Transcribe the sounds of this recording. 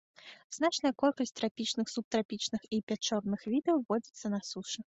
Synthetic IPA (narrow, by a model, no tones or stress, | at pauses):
z̥nat͡ʂnɐjɐkɔlʲkɐsʲtʲt̪ɾapʲit͡ʂnɨxsup̚t̪ɾapʲit͡ʂnɨxipʲat͡ʂɔrnɨxvʲid̪ɛwvɔd͡zʲit̪sːɐnɐsuʂɨ